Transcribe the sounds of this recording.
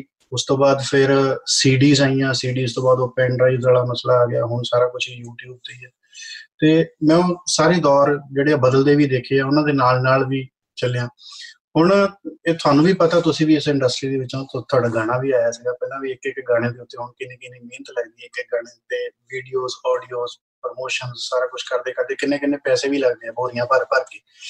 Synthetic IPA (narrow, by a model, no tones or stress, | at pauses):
ʊst̪õːbaːd̪pʰɪɾsiːɖiːzaːijãːsiːɖiːst̪õːbaːd̪oːpɛ̃ːɳɾaːizzaːɽaːməslaːaːɡɪa̰ːɦʊɳsaːɾaːkʊt͡ʃʰijuːʈjuːb̚t̪eɛː | t̪eːmɛ̃ːosaːɾeːd̪ɔːɾd͡ʒeːɽeːaːbəd̪əld̪eːʋiːd̪eːkʰeːaːʊnãːd̪eːnaːlnaːlʋiː | t͡ʃəlejãː | ɦʊɳeːt̪ʰʊaːnũːʋiːpət̪aːt̪ʊsĩːʋiːɪsɪ̃ɳɖəsʈɾiːd̪eːʋɪt͡ʃõːt̪ot̪ʰʊaːɖaːɡaːɽaːʋiːaːjaːsɪɡaːpɛːlãːʋiːɪkkɡaːɽ̃eːd̪eːʊt̪ːeːɦʊɳkɪnẽːkɪneːmĩːnt̪ləɡd̪iːɪkɪkɡaːɽeːt̪eːʋiːɖijoːzɔːɖioːz | pɾmoːʃənzsaːɾaːkʊt͡ʃʰkəɾd̪eːkəɾd̪eːkɪnẽːkɪnẽːpɛːseːʋiːləɡd̪eːɛ̃ːboːɾɪjãːpəɾpəɾkeː